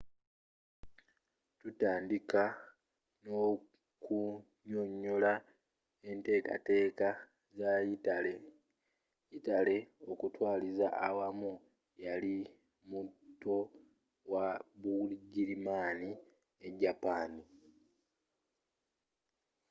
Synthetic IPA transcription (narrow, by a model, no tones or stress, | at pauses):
tutaːndika | no̞ | ku | ɲoɲːola | e̞nte̞ːka̰te̞ːka | zale | itale̞o̞kutwaːlizaʔːwamu | jali | mutːo̞ | wabulɟiɾimaːni | e̞ɟapaːni